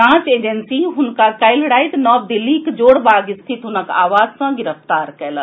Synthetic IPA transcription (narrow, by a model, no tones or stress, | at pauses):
ãːt͡ʃeːd͡ʒənsiɦʊnkakaɪlɽaːɪt̪nɔːbd̪ɪlːikd͡ʒoːɽbaːɡɪst̪ʰit̪ɦʊnəka̰ːʋaːd͡ʒsãɡɪɾəft̪aːɾkɛːlə